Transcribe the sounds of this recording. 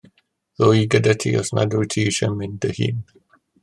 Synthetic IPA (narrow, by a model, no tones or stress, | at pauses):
ðoiɡədətʰiɔ̰sna̰dutʰiːʃəmɪndəhḭn